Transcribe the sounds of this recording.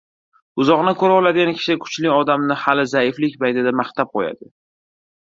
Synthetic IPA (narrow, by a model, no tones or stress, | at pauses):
ʊzɒʁnɪkʰɵɾaɒlad̪ɪɡʲankʲʰɪ̥ʃɪkʰʊ̥t͡ʃlɪɒd̪amnɪhalɪzaɪflɪkʲbajd̪ɪd̪amaχt̪ʰap̚qʰoja̰d̪ɪ